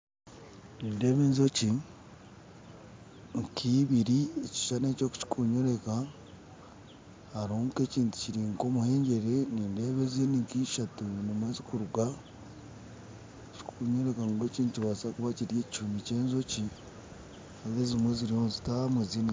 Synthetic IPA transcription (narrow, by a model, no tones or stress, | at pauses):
niːnde̞ːβeːnzo̞ci | ŋkʰiβiɾieci̥ʃaneːco̞ːku̥ci̥kuɲo̞ɾe̞ka | haɾoŋke̞ciːntu̥ciɾiŋko̞muhe̞ːɲɟe̞ɾe̞niːnde̞ːβezeniŋkiʃatunimwe̞ːzikuɾuɡa | ci̥kʰuɲo̞ɾe̞kaŋkwe̞ciːntuciβaːsakuβaciɾje̞ːci̥ʃumiceːnzo̞ci | azezimweziɾihonzitamwezina